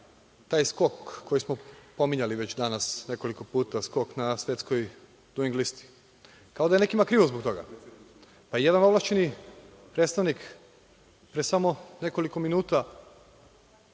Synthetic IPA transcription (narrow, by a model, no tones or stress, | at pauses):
t̪aːjsko̞kːo̞jismopo̞miɲaliʋe̞t͡ɕd̪anasne̞ko̞liko̞puːt̪asko̞knasʋje̞t̪skoj | d̪uiŋɡlist̪i̥ | kaod̪ajene̞kimakɾiːʋozbok̚t̪o̞ɡa̰ | paije̞d̪anoʋlˠaʃt͡ɕeni | pɾet̪st̪aʋnik | pɾesamo̞ne̞ko̞liko̞minuːt̪a